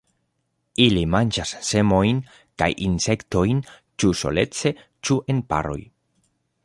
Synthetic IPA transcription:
ilimand͡ʒasːe̞mo̞jn | ka̰jʔinse̞kto̞jnt͡ʃuso̞̰le̞̰t͡se̞ | t͡ʃuʔe̞npa̰ɾo̞̰j

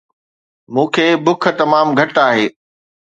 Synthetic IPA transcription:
mũːkʰeːbʊk̆ʰt̪ɐmaːmɡʱɐʈaːɦeː

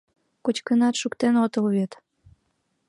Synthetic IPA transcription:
kot͡ɕkənɑt̪ʃukt̪enot̪ɤlβet̪

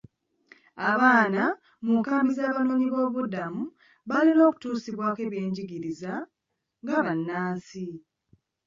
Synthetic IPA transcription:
aβaːna | mukaːmbizaːβanoːɲiβo̞ːβudamu | βalino̞ːku̥tuːsiβwake̞βje̞ːɲɟiɡiɾiza | ŋɡaβanːaːsi

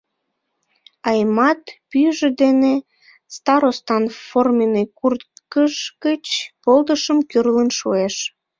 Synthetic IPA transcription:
ɑjmɑt̪pyjʒed̪ene | st̪ɑɾost̪ɑnformenekurt̪kəʃkət͡ɕpold̪əʃəmkyrlənʃoeʃ

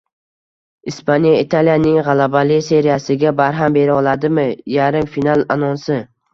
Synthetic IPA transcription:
ispʰanjaɪt̪ʰaljanɪŋʁɑlabalɪse̞ɾijasɪɡʲabaɾɦambe̞ɾɪɒlˠad̪ɪmɪjaɾɪmfinalˠanɒnsɪ

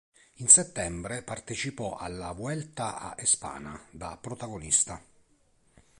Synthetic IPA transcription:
inset̪ːɛmbɾepart̪et͡ʃipɔʔa̰lːavwɛlt̪aa̰ʔespa̰ːna̰d̪apɾot̪aɡonist̪a

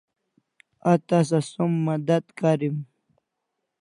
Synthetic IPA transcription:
at̪as̬asumːad̪ad̪kaɾim

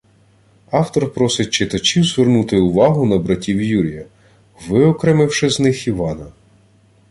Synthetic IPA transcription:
ɑwt̪ɔrpɾɔsɪt̚ʲt͡ʃɪt̪ɐt͡ʃʲiwzʋernut̪ɪʊʋɑɦʊnɐbɾɐtʲiwjuɾʲijɐ | ʋɪɔkɾɛmɪwʃɪznɪxiʋɑnɐ

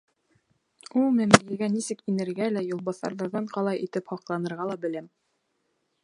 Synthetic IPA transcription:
ulˠmɘ̆mlilɡænisɘkinɘ̆ɾɡælæjŏlˠbɑsɑ̰ɾðɑɾðɑɴqɑlˠɑjʔit̪ɘphɒqlˠɑnɤ̆ɾʁɑlˠɑbɘ̆læm

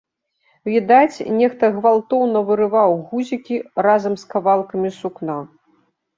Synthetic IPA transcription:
vʲid̪at͡sʲnʲɛxt̪ɐɣvalˠt̪ɔwnɐvɨɾɨvawɣuzʲikʲirazɐmskavalˠkɐmʲisukna

